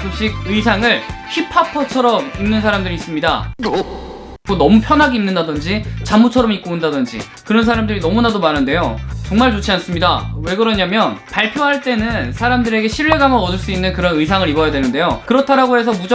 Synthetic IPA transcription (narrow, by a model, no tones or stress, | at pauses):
oɕ͈iɡ̚ɯisʰaŋɯɭçipʰapʰʌt͡ɕʰʌɾʌminːɯnsʰaɾamdɯɾiːs͈ɯmɲida̰ | konʌmupʰjʌnɦaɡeinːɯndadɯnd͡ʑit͡ɕamːut͡ɕʰʌɾʌmik͈ondadɯnd͡ʑḭ | kɯɾʌnsʰaɾamdɯɾinʌmunadomaɾɯnde̞jot͡ɕʌŋmaɭt͡ɕot͡ɕʰians͈ɯmɲidawe̞ɡɯɾʌɲamjʌnpaɭpʰjoɦaɭt͈e̞nɯnsʰaɾamdɯɾe̞ɡe̞ɕʰiɭːe̞ɡamʌʌdɯɭs͈uinːɯnkɯɾʌnɯisʰaŋɯɾibʌjadwenɯnde̞jokɯɾʌtʰaɾaɡoɦe̞s̬ʰʌmud͡ʑʌ